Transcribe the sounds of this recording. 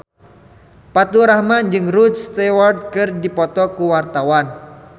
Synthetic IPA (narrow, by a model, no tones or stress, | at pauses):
pat̪uɾahmand͡ʒɨŋɾudst̪ɛward̚kɨrdipɔt̪ɔkuwart̪awan